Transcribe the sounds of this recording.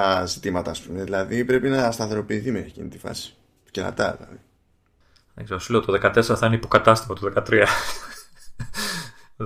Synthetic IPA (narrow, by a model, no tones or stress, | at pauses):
zit̪imɐt̪ɐːspume̞ðilɐðipɾe̞pinɐst̪ɐθe̞ɾo̞piːθimecḭnit̪ifɐ̰si̥ | cɾɐ̰t̪ɐ̰ðḭlɐ̰ði | ðeɡze̞ɾosuleot̪oðekɐt̪e̞seɾɐθɐineipo̞kɐt̪ɐst̪ivot̪oðekɐt̪ɾiɐ